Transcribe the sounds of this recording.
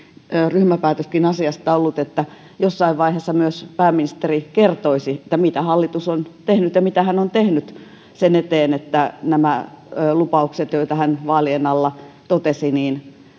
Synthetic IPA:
ryhmæpæːt̪øskinɑsiɑst̪ɑolːut̪et̪ːæ | josːɑiʋʋɑiheːsːɑmyøspæːmːinist̪erikert̪oisiet̪ːæmit̪æhɑlːit̪usont̪ehnyt̪jɑmit̪æhænont̪ehnyt̪ | senet̪eːnet̪ːænæmæː | lupɑukset̪joit̪ɑhænʋɑːlienɑlːɑt̪ot̪esiniːn

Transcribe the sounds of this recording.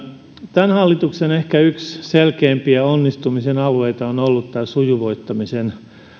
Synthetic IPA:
t̪ænhɑlːit̪uksenehkæyksselkeːmpiæonːist̪umisenɑlueit̪ɑonolːut̪t̪æsujuʋoit̪ːɑmisen

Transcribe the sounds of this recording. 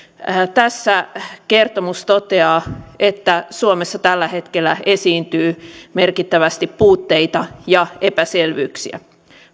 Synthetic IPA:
əːt̪æsːæke̞rt̪omust̪ot̪eɑːet̪ːæsuomesːɑt̪ælːæhe̞t̪kelːæesiːnt̪yːme̞rkit̪ːæʋæst̪ippuːt̪ːe̞it̪ɑjɑepæselʋyːksḭæ̰

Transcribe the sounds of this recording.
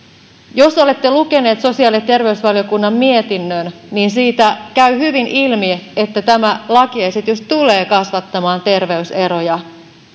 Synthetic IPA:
jo̞so̞le̞t̪ːe̞luke̞ne̞ːt̪so̞siɑːlent̪e̞rʋe̞ysʋɑljo̞kunːɑmːie̞t̪inːønniːnsiːt̪ækæɥhyʋinʔilmieet̪ːæt̪æmælɑkiejset̪jost̪ule̞ːkɑsʋɑt̪ːɑmɑːnt̪e̞rʋe̞yse̞ɾo̞jɑ

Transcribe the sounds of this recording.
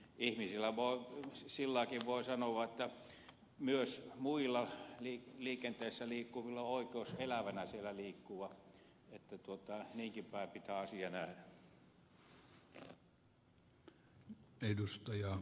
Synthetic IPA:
ihmisilːˑæʋoˑisilːɑˑkiʋʋoisɑnoʋɑet̪ːæ | myøsmuilːɑliːliːkent̪eisːæliːkːuʋilːɑoikeoselæʋænæsielæliːkːuʋɑ | et̪ːæt̪uot̪ɑniːŋkipæˑepit̪æɑsiɑnæhdæ | edust̪ɑjɑ

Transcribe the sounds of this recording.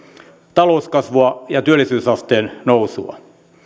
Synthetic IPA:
t̪ɑlouskɑsʋoɑjɑt̪yælːˑisyːsɑst̪eːnnousṵɑ̰

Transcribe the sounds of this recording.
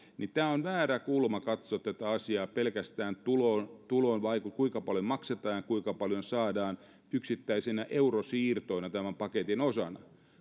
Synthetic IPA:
nit̪æːonʋæːɾækulmɑkɑt̪soet̪ːæt̪æɑsiɑːpelkæst̪æːnt̪ulont̪ulonʋɑikukuiŋkɑpɑljomɑkset̪ɑːjɑkuiŋkɑpɑljonsɑːdɑːn | yksit̪ːæisinæʔeurosiːrt̪oinɑt̪æmæmpɑket̪inosɑ̰nɑ̰

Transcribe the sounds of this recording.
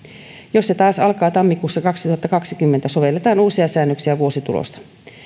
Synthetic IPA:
jo̞sset̪ɑːsɑlkɑːt̪ɑmːikuːsːɑkɑksit̪uhɑt̪ːɑkɑksikymːent̪æso̞ʋe̞lːe̞t̪ɑːnuːsiɑsæːnːøksiæʋuo̞sit̪ulo̰st̪ɑ̥

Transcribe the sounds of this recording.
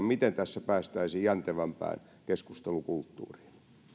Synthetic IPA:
mmit̪ent̪æsːæpæːst̪æisiːjjænt̪eʋæmpæ̰ːn | keskust̪elukult̪ːṵːri̥ːl

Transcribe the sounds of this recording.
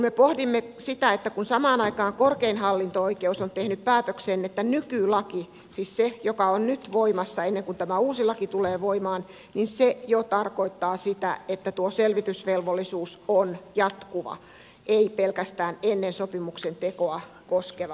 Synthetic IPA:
kumepohdimːesit̪æet̪ːækunsɑmɑːnɑikɑːŋkorkeinhɑlːint̪ooikeusont̪ehnyppæːt̪økseːnet̪ːænykylɑki | siːssejokɑonnyt̪ʋoimɑsːɑenːeŋkunt̪æmæuːsilɑkit̪uleːʋoimɑːn | ninsejot̪ɑrkoit̪ːɑːsit̪æ̰et̪ːæt̪uoselʋit̪ysʋelʋolːˑisuːsonjɑt̪kuʋɑ̰ | ʔeipelkæst̪æːnenːensopimuksent̪ekoɑ | koskeʋɑ

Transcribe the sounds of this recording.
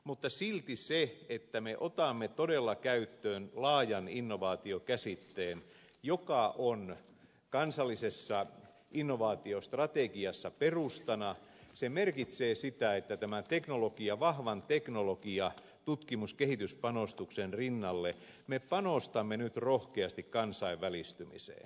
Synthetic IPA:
mut̪ːɑsilt̪iseet̪ːæmeʔot̪ɑmːet̪odelːɑkæyt̪ːøːnlɑːjɑninːoʋɑːt̪iokæsit̪ːeːn | jokɑʔon | kɑnsɑlːisesːɑ | inːoʋɑːt̪iost̪rɑt̪ekiɑsːɑperust̪ɑnɑsemerkit̪seːsit̪æet̪ːæt̪æmænt̪eknolokiɑʋɑhʋɑnt̪eknolokiɑ | t̪ut̪kimuskehit̪yspɑnost̪uksenrinːɑlːe | mepɑnost̪ɑmːenyt̪rohkeɑst̪ikkɑnsɑiʋʋælist̪ymḭsḛːn

